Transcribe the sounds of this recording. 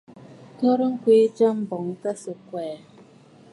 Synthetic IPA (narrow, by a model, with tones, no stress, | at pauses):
tɔ˦ɾŋ̩˦kʷiː˦d͡ʒa˦m̩˦bɔ˨ŋ̩˦ta˦sə˨kʷɛː˨